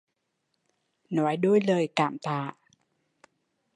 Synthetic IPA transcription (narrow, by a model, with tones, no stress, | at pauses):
nɔː˨˦jdu˥˩ə˨jlɤː˧jka̰˨˩mt̪aː˧˩